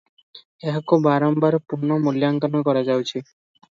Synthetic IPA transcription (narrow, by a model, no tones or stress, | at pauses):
eɦakubaɾɔmbaɾpuɾnɔmoljaŋkanɔkɔɾad͡ʒawt͡ʃʰi